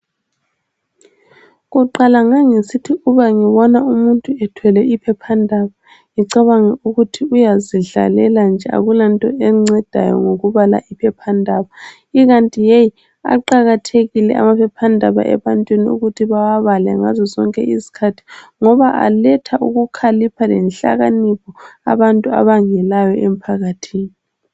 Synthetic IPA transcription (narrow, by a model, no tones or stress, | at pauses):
ɣuǃalaŋaŋesitʰiuβaŋiβɔnaumuntʼuɛtʰwɛlɛʔipʰɛpʰandʱaβa | ŋiǀaβaŋɛuɣutʰiujaziɮa̰lɛland͡ʒʱɛʔa̰ɣulantʼɔɛŋ͡ǀɛd̥ʱa̰jɔ̰ŋoɣuβala̰ʔipʰɛpʰandʱaβa | iɣantʼijej | a̰ǃaɣatʰeɣilɛ̰ʔa̰mapʰɛpʰandʱaβa̰ʔɛ̰βantʼwiniṵɣutʰiβawaβalɛ̰ŋazɔzɔŋkʼɛ̰ʔizi̥kʰatʰi̥ŋɔβaʔa̰lɛtʰaʔuɣukʰalipʰalɛnɬa̰ɣanipʰɔa̰βantʼua̰βaŋɛlajɔʔem̩pʰaɣatʰiːni